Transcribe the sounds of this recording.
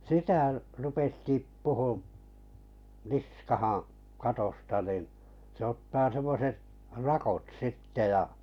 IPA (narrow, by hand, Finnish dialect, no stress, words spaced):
sitæˑ rupes tipːuhum̆ niskɑhɑ̃ː kɑtostɑ nin sĕ otːɑː semːoset rɑkot sitːe jɑ